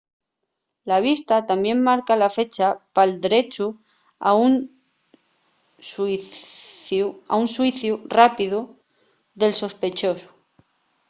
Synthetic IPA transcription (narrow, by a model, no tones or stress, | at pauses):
laβ̞ist̪at̪ambje̞mmaɾkalafe̞t͡ʃapald̪eɾe̞t͡ʃu | aun | ua̰unswiθjurapiðu | ðe̞lso̞spe̞t͡ʃo̞su̥